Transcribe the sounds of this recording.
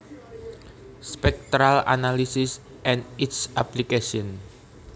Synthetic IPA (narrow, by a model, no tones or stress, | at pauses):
spɛk̚t̪ɾala̰nalisis | ʔɛ̃nditsʔaplikeʃɔn